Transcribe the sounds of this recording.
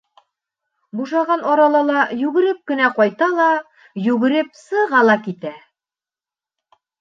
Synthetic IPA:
buʃɑʁɑnɒɾɑlˠɑlˠɑjʉɡɘ̆ɾɘp̚kɘ̆næqɒjt̪ɑlˠɑ | jʉɡɘ̆ɾɘpsɤ̆ʁɑlˠɑkit̪æ

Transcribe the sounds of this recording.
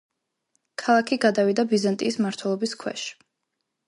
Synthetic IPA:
kʰalˠakʰiɡad̪avid̪abizant̪ʼiːsmaɾt̪ʰwɛlˠɔbiskʰwɛ̰ʃ

